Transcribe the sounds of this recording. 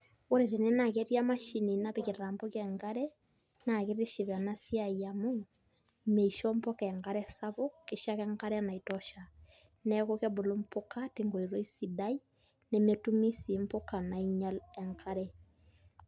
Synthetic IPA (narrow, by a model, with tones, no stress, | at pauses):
o˦ɾe˨te˨ne˦na˨ke˦ɾja˦ma˦ʃi˨ni˨na˦pe˨ke˨ɾa˨mbo˦kɛŋɡa˦ɾɛ˦ | na˨ke˦ɾe˦ʃi˨βa˨na˦sja˦˨ja˨mo˦ | me˨i˨ʃɔ˦mpɔ˦kɛ˨ŋɡa˦ɾɛ˦sa˦βo˦ke˨ʃa˦kɛŋɡa˦ɾɛ˦na˨i˨tɔʃa˨ | nɛ˦ko˦kɛ˦bo˨lo˦mpo˦ka˦te˨ŋɡo˨i˨ɾo˦i˦si˨da˦i˦ | ne˨metu˦mi˦si˨mpo˦ka˨na˨i˦ɲa˦lɛ˨ŋka˦ɾɛ